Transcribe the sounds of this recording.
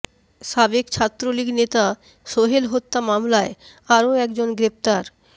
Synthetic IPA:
ʃabekt͡ɕʰat̪ːɾoliɡnet̪a | ʃoɦelɦot̪ːamamlae | aɾoɛkd͡ʑonɡɾept̪aɾ

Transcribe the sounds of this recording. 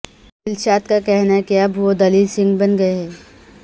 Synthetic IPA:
bɪlʃaːt̪kakɛɦnaɛkiɐbʋod̪ɐliːlsɪ̃ŋɡbɐnɡɐeɦɛː

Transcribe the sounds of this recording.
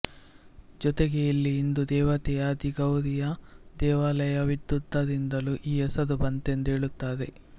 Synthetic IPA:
d͡ʒɔt̪eɡejɐlːiːnd̪ud̪ɛːʋɐt̪ɛjɐd̪iɡɐwɾijɐd̪ɛːʋaːlɐjɐʋid̪jud̪ːɐd̪ind̪ɐluʔiːɛsɐd̪ubɐnt̪e̞nd̪ueːɭut̪ːaːd̪e̞̰

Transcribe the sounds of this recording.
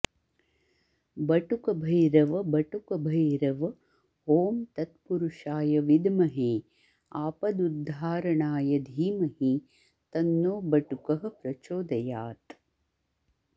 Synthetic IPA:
bɐʈukɐbʱɐjɾɐʋɐbɐʈukɐbʱɐjɾɐʋ | hoːmt̪ɐt̪puɾuʃaːjɐʋid̪mɐɦe | aːpɐd̪ud̪ʱːaːɾɐɳaːjɐd̪ʱiːmɐɦi | t̪ɐnːoːbɐʈukɐɦɐ̆pɾɐt͡ʃoːd̪ɐjaːt̪

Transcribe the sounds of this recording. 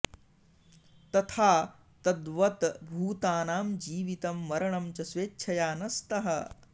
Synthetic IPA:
t̪ɐt̪ʰaː | t̪ɐd̪ʋɐt̪bʱuːt̪aːnaːmd͡ʒiːʋit̪ɐmːɐɾɐɳɐmt͡ʃɐsʋeːtːʃʰɐjaːnɐst̪ɐɦɐ

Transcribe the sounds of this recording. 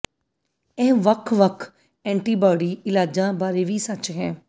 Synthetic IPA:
ɛːʋəkʰʋəkʰ | ɛ̃ːɳʈiːbaːɖiːɪlaːd͡ʒãːbaːɾeːʋiːsət͡ʃɦɛː

